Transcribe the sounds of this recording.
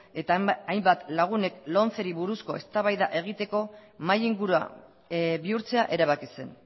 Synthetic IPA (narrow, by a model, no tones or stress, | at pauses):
e̞t̪aajmbat̪laɣ̞une̞klo̞nt͡se̞ɾiβuɾusko̞e̞st̪aβajðaʔe̞ɣ̞it̪e̞ko̞majiŋɡuɾua̰ | βiuɾt͡se̞aʔe̞ɾaβ̞akise̞n